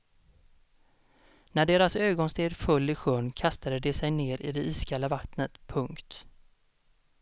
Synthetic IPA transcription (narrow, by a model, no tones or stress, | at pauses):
næɖeːɾasøːɡɔnst̪eːd̪fɵlːɪɧɵɳkʰast̪ad̪əd̪ɛsɛjneːɾʔɪ̰d̪ɛʔiːskʰalːavat̪nət̪pʰɵŋkt̪